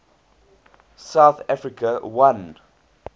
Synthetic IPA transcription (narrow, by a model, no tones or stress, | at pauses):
saʊθafɹikʰəwãnd